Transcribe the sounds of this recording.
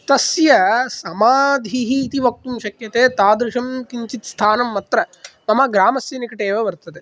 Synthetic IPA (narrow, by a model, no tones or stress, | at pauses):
t̪ɐsjɐsɐmaːd̪ʱiɦiːt̪iʋɐk̚t̪umʃɐkjɐt̪eːt̪aːd̪ɾuʂɐmkiɲt͡ʃit̪st̪ʰaːnɐmːɐt̪ɾɐmɐmɐɡɾaːmɐsjɐnikɐʈeːʋɐʋɐɾt̪ɐd̪e